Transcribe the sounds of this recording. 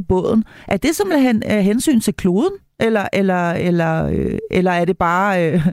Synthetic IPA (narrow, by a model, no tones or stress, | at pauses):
b̥ɔ̽ð̰ˠn̩ʔæɐd̥e̝sɒ̽mleɦnɦensy̰ːnt͡sʰe̝lkʰlo̝ːð̞ˠn̩ | ʔelɐʔelɐelɐøelɐæɐɾ̥e̝b̥ɑ̈ːø